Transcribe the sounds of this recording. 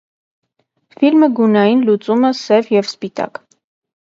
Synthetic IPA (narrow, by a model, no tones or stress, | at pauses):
filməɡunɑjinlut͡suməsɛvjɛvspit̪ɑ̰k